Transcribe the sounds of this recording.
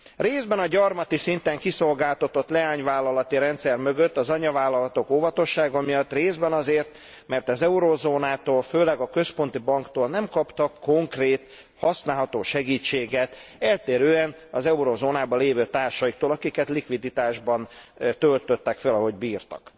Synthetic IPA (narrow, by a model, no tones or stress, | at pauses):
reːzbɛnɒɟɒrmɒt̪isint̪ɛŋkiso̞lɡaːlt̪ɒt̪o̞t̪lɛaːɲvaːlːɒlɒt̪iɾɛnt̪sɛrmø̞ɡø̞t̪ːɒzɒɲɒvaːlːɒlɒt̪o̞koːvɒt̪o̞ʃːaːɡɒmijɒt̪ːreːzbɛnɒzeːrt̪ | mɛrt̪ɒzɛuɾoːzoːnaːt̪oːlføːlɛɡɒkøspo̞nt̪ibɒŋkt̪oːlnɛmkɒpt̪ɒkːo̞ŋkreːt̪ | hɒsnaːlɦɒt̪oːʃɛɡiːt͡ʃːeːɡɛt̪ɛlt̪eːɾøːɛn | ɒzɛuɾoːzoːnaːbɒleːvøːt̪aːrʃɒjik̚t̪oːlɒkikɛt̪likʋid̪it̪aːʒbɒnt̪ølt̪øt̪ːɛkfɛlɒɦo̞ɟbiːrt̪ɒ̰k